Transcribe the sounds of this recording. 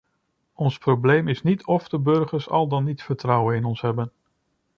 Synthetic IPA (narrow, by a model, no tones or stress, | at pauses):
ɔnsprowblejmɪsnitʰɔfdəbɵɹχəɹsɑ̰lˠdɑnːitfəɹtrʌwənɪnɔnsɦɛbən